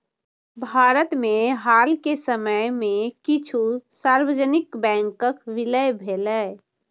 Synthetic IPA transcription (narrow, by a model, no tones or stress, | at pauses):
bʱaːɾət̪meɦaːlkesəməjmẽkit͡ʃʰusaːɾwəd͡ʒənɪkbɛ̃ŋkəkʋɪləjbʱelə